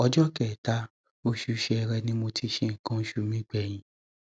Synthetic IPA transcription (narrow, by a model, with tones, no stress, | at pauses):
ɔ˧d͡ʒɔ˦kɛ˨ta˦ | o˦ʃu˧˦ʃɛ˧ɛ˧ɾɛ˧nĩ˦mo˧tʰi˧ʃe˦˨kã˨˦ʃu˧˦mĩ˦ɡ͡bɛ˨j̃ĩ˨